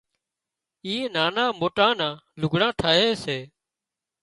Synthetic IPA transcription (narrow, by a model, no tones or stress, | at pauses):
ĩːnaːnãːmoːʈãːnãːlʊɡʱɽãːʈʰaːɦeːseː